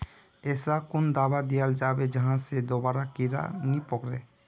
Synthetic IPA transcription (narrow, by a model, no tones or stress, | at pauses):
esakund̪abad̪ijald͡ʒabed͡ʒaɦãsed̪obaɾakiɾa̰nipɔkɾe